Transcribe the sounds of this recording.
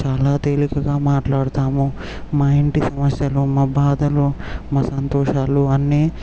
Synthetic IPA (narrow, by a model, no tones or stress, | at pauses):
t͡ʃaːlaːt̪eːlikɐɡaːmaːʈlaːɽɐt̪aːmu | maːeɳʈisɐmɐsjɐlumaːbaːd̪ʱɐlumɐsɐnt̪ɔːʂaːluɐnːe